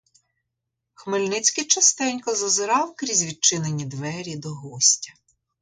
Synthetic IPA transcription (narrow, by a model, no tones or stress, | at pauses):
xmɪlʲnɪt͡sʲkɪjt͡ʃɐst̪ɛnʲkɔzɐzɪɾɑwkɾʲizʲʋʲid̪̚t͡ʃɪnenʲid̪ʋɛɾʲid̪ɔɦɔsʲtʲɐ